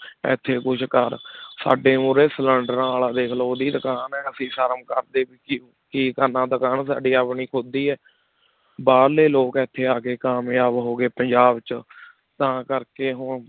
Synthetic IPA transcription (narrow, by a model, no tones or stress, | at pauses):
ɛ̰ːt̪ʰːeːkʊt͡ʃʰkəɾsa̰ːɖeːũːɾesləɳɖnaːlad̪eːkʰloːd̪iːd̪əkaːnɛːəsĩːpʰəɾəmkəɾd̪eːbiːkː | kiːkəɾnãːd̪əkaːnsa̰ːɖiːaːpɳiːkʰʊd̪iːɛː | baːɾleːloːkɛt̪ʰːeːaːkeːkaːmjaːbɦoːɡeːpəɲd͡ʒaːbt͡ʃə | t̪ãːkəɾkeːɦʊɳ